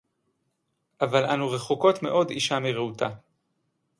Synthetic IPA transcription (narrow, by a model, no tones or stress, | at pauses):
ʔavalʔanuʁeχoko̞tme̞̰ʔo̞d̪iʃamiʁeuta